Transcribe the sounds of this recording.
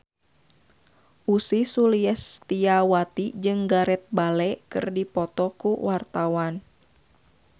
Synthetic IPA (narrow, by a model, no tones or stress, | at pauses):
ʔusisuliɛst̪iawat̪id͡ʒɨŋɡaɾɛt̪̚balɛkɨ̰rdipɔt̪ɔkuwart̪awan